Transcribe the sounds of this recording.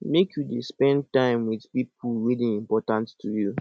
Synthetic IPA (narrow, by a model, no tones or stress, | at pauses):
mekʰjudespɛ̃ntãɪ̃mwiðpipulɹilĩŋĩmpɔtãnttʰːuju